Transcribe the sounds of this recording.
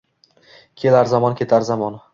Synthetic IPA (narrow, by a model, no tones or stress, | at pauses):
kʲʰe̞laɾzɒmɒnkʲʰe̞t̪ʰaɾzɒmɒn